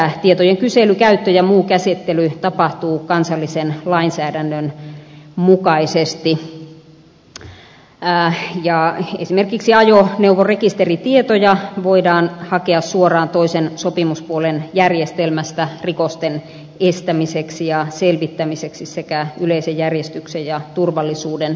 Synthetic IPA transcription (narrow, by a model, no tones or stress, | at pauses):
t̪iet̪ojeŋkyselykæyt̪ːøjɑmuːkæset̪ːelyt̪ɑpɑht̪uːkɑnsɑlːisenlɑinsæːdænːøn | mukɑisest̪i | jɑḛsimerkiksiɑjoneuwʋorekist̪erit̪iet̪ojɑʋoidɑːnhɑkeɑssuorɑːnt̪oisensopimuspuolenjærjest̪elmæst̪ærikost̪en | est̪æmiseksijɑselʋit̪ːæmiseksissekæyleisejjærjest̪yksejjɑt̪urʋɑlːisuːden